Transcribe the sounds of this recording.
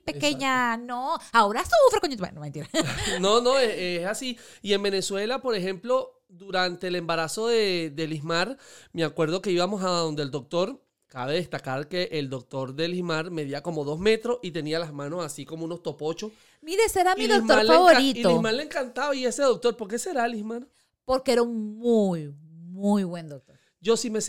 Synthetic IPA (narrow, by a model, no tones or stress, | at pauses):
pekeɲanoaoɾasufɾekoɲut̪mḛnomẽnt̪iɾanono̞eseesasiie̞mbe̞ne̞swe̞lapo̞ɾe̞xe̞mplo̞ | ðuɾant̪e̞eːle̞mbaɾaso̞ðe̞ðe̞liɦmaɾmeakwe̞ɾð̞o̞ke̞iβamo̞saððo̞nd̪eld̪ok̚t̪o̞ɾ | kaβe̞ðest̪akaɾke̞ʔeld̪o̞k̚t̪o̞ɾðe̞lismaɾme̞ðiako̞mo̞ðo̞sme̞t̪ɾosit̪e̞nialazmãno̞sasiko̞mouno̞st̪o̞po̞t͡ʃo̞s | miɾeseɾamilismt̪oaɾlfaβoɾitiolihmaɾleŋkant̪aβaie̞se̞ðo̞k̚t̪o̞ɾpoɾke̞se̞ɾalihmaɾ | po̞ɾkeeɾauŋmujmujβwe̞nd̪ok̚t̪o | d͡ʒo̞sime̞s